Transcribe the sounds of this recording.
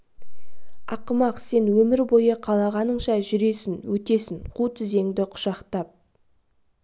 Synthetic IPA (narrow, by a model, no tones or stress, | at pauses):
ɑqəmɑqse̞nwɵmɪɾbo̞jəqʰɑlˠɑʁɑnəɴʃɑʒʏɾe̞sɪnwɵt̪e̞sɪnqʰut̪ʰɪze̞ŋd̪ɪqʰʊ̥ʃɑqt̪ɑp̚